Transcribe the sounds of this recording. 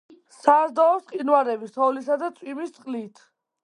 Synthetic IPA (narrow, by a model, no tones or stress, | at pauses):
sazd̪ɔɔsqʼinwaɾɛbisɔlisad̪at̪sʼwimist̪sʼqʼlit̪ʰ